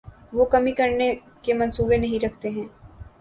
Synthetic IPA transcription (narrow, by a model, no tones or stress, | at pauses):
ʋokɐmikɐɾne | kemɐ̃nsuːbenɐɦĩɾɐkʰt̪eɦɛ̃ː